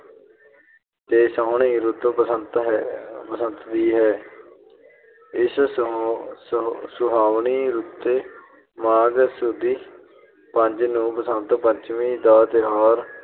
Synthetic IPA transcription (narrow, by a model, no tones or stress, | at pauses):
t̪eːsaɦɳĩːɾut̪əənt̪ɦpəsə̃nt̪d̪iːɦɛː | ɪs | sʊɦaːʋɳiːɾut̪ːeː | maːɡsud̪iː | pəɲd͡ʒnũːpəsənt̪pəɲt͡ʃʋĩːd̪aːt̪eɦaːɾ